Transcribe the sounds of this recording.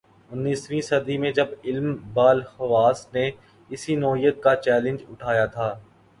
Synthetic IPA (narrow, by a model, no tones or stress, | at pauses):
ʊnːiːsʋĩsɐd̪imẽd͡ʒɐbɪlmbaːlhɐʋaːsne | ɪsinɔːɦijət̪̚kat͡ʃɛːlɪ̃nd͡ʒʊʈʰaːjat̪ʰaː